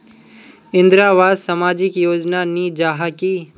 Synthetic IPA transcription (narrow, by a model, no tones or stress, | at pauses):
ɪ̃nd̪ɾaːʋaːd̪samaːd͡ʒɪkjoːd͡ʒnaniːd͡ʒaːɦaki